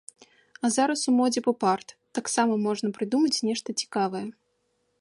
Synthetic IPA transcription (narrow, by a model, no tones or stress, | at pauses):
ɐzaɾɐsumɔd͡zʲipɐpart̪ːaksamɐmɔʐnɐpɾɨd̪umɐt͡sʲnʲɛʂt̪ɐt͡sʲi̥kavɐjɛ